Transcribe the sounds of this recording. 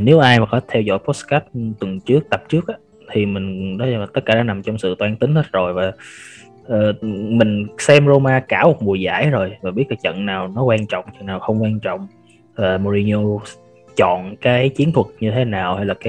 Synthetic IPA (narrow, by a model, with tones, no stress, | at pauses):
ne˨˦wʔaː˧jmaː˨˩kɔ˨˦t̪ʰɛ˧wzɔ̰˧˥˨jpɔ˦˥t̚ska˦˥t̚t̪wə˨˩nt͡ɕɨ˦˥ək̚t̪ə˨˩p̚t͡ɕɨ˦˥ək̚ʔaː˨˦ | t̪ʰi˨˩mï˨˩ŋ̟ɗɔ˨˦˧a˨˩t̪ə˦˥t̚kaː˧˩ɗaː˨˧˦na˨˩mt͡ɕɔ˧wŋ͡msɨ̰˧˨t̪waː˧nt̪ï˨˦ŋhə˦˥t̚zo˨˩jvaː˨˩ | ʔəː˨˩mï˨˩ŋ̟sɛ˧mzo˧maː˧kaː˧˩wm˨˩t̚mu˨˩əza̰ː˧˩jzo˨˩jvaː˨˩ɓi˦˥ət̚kaː˨˦t͡ɕə̰˧˨nːaː˨˩wnɔ˨˦kwaː˧nt͡ɕɔ̰˧˨wŋ͡mt͡ɕə̰˧˨nːaː˨˩wxə˧wŋ͡mkwaː˧nt͡ɕɔ̰˧˨wŋ͡m | vaː˨˩mo˧ɾi˧ɲo˧ | t͡ɕɔ̰˧˨nkaː˨˦jt͡ɕi˨˦ənt̪ʰwə˨˩t̚ɲɨ˧t̪ʰe˨˦naː˨˩wha˧jlaː˨˩kaː˨˦